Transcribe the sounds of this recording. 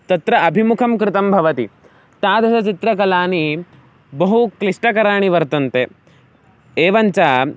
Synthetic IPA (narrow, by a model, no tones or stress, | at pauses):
t̪ɐt̪ɾɐʔɐbʱimukʰɐmkɾɪt̪ɐmbʱɐʋɐt̪i | t̪aːd̪ʱɐsɐt͡ʃit̪ɾɐkɐlaːni | bɐɦukliʂʈɐkɐɾaːɳ̃iʋɐɾt̪ɐnt̪e | eːʋɐɲt͡ʃaː